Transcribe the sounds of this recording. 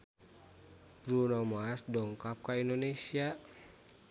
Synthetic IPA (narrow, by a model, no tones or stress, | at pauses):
bɾunamaːsdɔŋkap̚kaindonesia